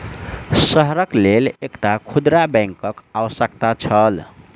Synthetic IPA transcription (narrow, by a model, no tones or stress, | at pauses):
səɦɾəklelekʈakʰud̪ɾabɛ̃ŋkəkawəsək̚t̪at͡ʃʰəl